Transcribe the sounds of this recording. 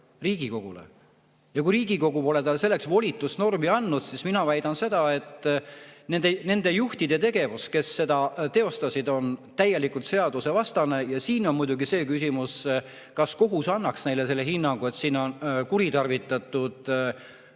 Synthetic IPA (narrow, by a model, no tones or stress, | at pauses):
riːɡ̥iko̞ɡ̥ulḛ | jɑkuiɾiːɡ̥iko̞ɡuo̞le̞t̪ɑlse̞lːe̞ksvo̞lʲit̪ːˑusno̞rmiɑnːud̪̥sisminɑvæjd̪̥ɑnse̞d̪̥ɑe̞t̪ː | ne̞nd̪ene̞nd̪e̞juht̪id̪̥e̞t̪e̞ɡ̥e̞vuske̞sːe̞d̪̥ɑt̪e̞o̞st̪ɑsʲid̪o̞nt̪æjːe̞likult̪se̞ɑd̪usevɑst̪ɑne̞jɑsiːno̞nmujd̪̥uɡise̞ːkysʲimus | kɑsko̞ɦusɑnːɑksne̞jle̞se̞lːe̞ɦinːɑŋɡ̥ue̞t̪siːno̞nkuɾit̪ɑrvit̪ːˑɑt̪ːˑud̪̥